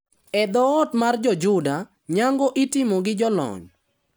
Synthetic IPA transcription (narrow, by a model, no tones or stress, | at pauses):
ɛd̪ɔːtmard͡ʒɔd͡ʒʊda | ɲaŋɡɔʔitɪmɔɡɪd͡ʒɔlɔ̰ɲ